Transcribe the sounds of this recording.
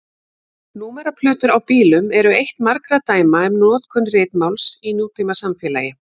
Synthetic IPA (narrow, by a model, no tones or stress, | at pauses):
nuːmɛɾapʰlʏːt̪ʏɾawpiːlʏmɛɾʏejht̪maɾkɾat̪aːjmaɛmnɔːt̪kʰʏnrɪːt̪mawlsinjuːt̪ʰimasamfjɛːlajɪ